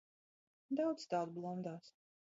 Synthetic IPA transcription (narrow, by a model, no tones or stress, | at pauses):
d̪awd̪st̪ad̪̚blˠɔmd̪aːs